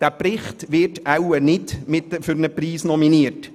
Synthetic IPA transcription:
d̥æpɾɪχt̪ʋɪrtawənɪdmɪtːəfʏɾnəpriːsnɔminiət

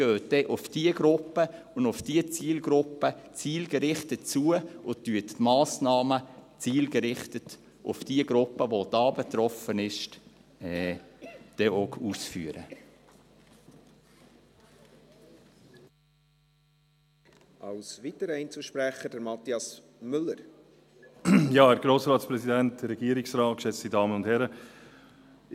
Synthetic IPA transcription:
ɡ̥øːt̚d̥ɛʔʊfd̥iəɡɾʊpːəʊndʊfd̥iət͡siːlɡ̥ɾʊpːət͡siːlɡəɾɪχtətt͡suəʊtyəttmɑːsnɑːmət͡siːlɡəɾɪχtət | ʔʊ̰fd̥iəɡɾʊpːəʋod̥ɑːbet̪ɾɔfənɪʃt | ɛ | d̥ɛokʰuːsfy̰ːəɾə̰ | ʔɑlsvitəɾɛɪnt͡səlʃpɾæχədəɾmɑt̪iɑs | mʏlːəɾ | jɑːæɾɡ̥ɾoːsɾɑːtspɾɛsidæntɾɛɡiːəɾɪksɾɑːt̚kʃɛt͡sɪdɑːmənʊndhɛɾə

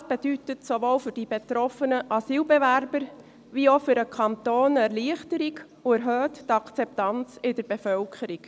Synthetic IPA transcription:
sb̥ed̥ytətsoʋoːlfʏrd̥ibetɾɔfənəʔɑsiːlbɛʋæɾbəɾ | ʋiofʏɾəkʰɑnt̪oːnɛɾliəχtəɾik | ʊɛɾɦœːttɑkt͡sɛp̚tɑnt͡sɪdəɾb̥efœlkʰəɾik

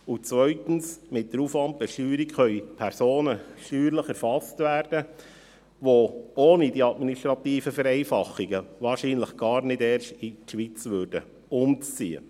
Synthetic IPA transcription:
ʊt͡sʋœʏɥtn̩smɪt̚d̥̪əɾufʋɑnp̚dɛʃyːɾikχœʏpʰæɾsoːnəʃyːɾləχɛɾfɑstvæːɾd̥ə | ʋooːnidiɑdminiʃtɾɑt̪iːfəfəɾɛɪfɑχːiɡəʋɑːɾʃiːnləχɡ̥ɑːɾnɪdɛːrʃtiʃʋit͡sʋøɾdə | ʊmt͡st͡siə̰

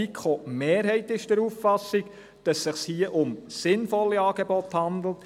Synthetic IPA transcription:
ikχomeːɾɦɛɪtɪʃd̥ɛɾuːffɑsːɪk | d̥ɑsːɪχshiːəʔʊmsɪnfɔlːiɑːɡ̥ebɔthɑnd̪l̩t

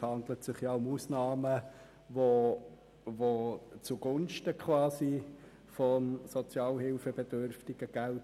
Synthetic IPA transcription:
hɑndlətsɪχjaʊmusnɑːmə | vo | vot͡suɡ̥ʊnʃtəkʰχvɑːzi | fɔmsɔt͡sjɑːlɦɪlfəbed̥ørftɪɡ̥əɡ̥æl

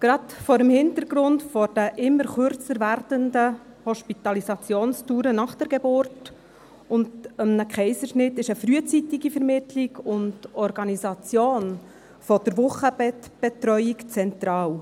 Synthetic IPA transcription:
ɡ̥ɾɑtfɔːɾəmhɪntəɾɡɾʊntfɔɾd̥əʔɪmːəɾχʏɾt͡səɾvæɾd̥əndə | hɔʃpit̪ɑlisɑt͡sjoːnstuːɾənɑχd̥əɾɡebʊrt | ʊndəmnəkχɛɪzəɾʃnɪtːɪʃəfɾyət͡sitiɡifɛɾmɪtʰliɡʊndɔɾɡɑnizɑt͡sjoːn | fɔd̥əɾʋʊχəbɛtb̥ɛtɾœʏikt͡sɛnt̪ɾɑːw

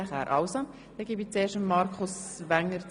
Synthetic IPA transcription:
æχæ̰ːɾʔɑ̰wsɑ | d̥ɛːɡibit͡seːʃəmːɑɾkʰʊsʋæŋːəɾ

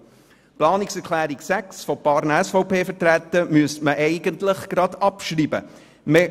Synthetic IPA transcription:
plɑːniksɛɾkʰlæːɾiksæksfɔpɑːɾnɛsfɔʊpʰeːfətɾæt̪ːəmyəstməʔɛɪɡəntləχɡ̥ɾɑd̪ɑpʃriːbə̰ | me

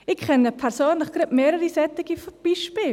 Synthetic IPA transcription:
ɪkχɛnəpʰɛɾsoːnləχɡ̥ɾɪtmeːɾəɾisɛt̪ɪɡifb̥iʃpiː

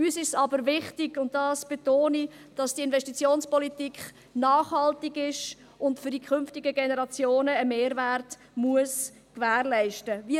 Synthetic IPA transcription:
yːsɪʃsɑbəɾvɪχtɪɡʊnttːdɑːsb̥etoːnid̥ɑsd̥iɪnvɛʃtit͡sjoːnspɔlitikχ | nɑːχhɑltɪɡɪʃ | ʊntfʏɾdikʰʏnftɪɡəɡenəʁɑt͡sjoːnəːmeːɾvært | muəs | kvæːrlɛɪʃtəvi

